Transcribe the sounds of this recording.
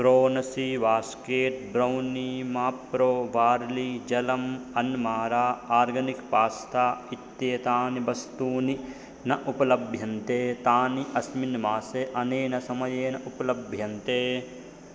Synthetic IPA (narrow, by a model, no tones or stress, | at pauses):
pɾoːnɐsiʋaːskeːt̪̚bɾɐwnimaːpɾoːʋaːɾlid͡ʒɐlɐmɐnmaːɾaːaːɾɡɐnikpaːst̪ʰaːit̪ːjeːt̪aːnibɐst̪uːni | nɐʔupɐlɐbʱjɐnt̪eːt̪aːniʔɐsminmaːseʔɐneːnɐsɐmɐjeːnɐʔupɐlɐbʱjɐnt̪eː